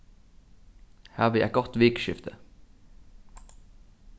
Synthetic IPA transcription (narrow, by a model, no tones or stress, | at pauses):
hæːʋəjæ̰ɡɔt̪ʋɪkʃɪft̪ʰə